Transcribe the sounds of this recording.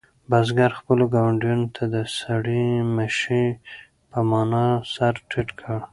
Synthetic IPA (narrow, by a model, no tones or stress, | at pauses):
bazɡaɾxpəloɡawaɳɖijunot̪ʰad̪əsaɽimaʃi | pəmɑnɑsaɾʈʰiʈkʰəɽ